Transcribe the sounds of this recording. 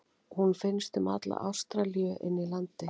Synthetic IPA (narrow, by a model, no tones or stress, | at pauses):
hunfɪnst̪ʏma̰t̪la̰ʔa̰wst̪ɾalijʏʔɪnːilant̪ɪ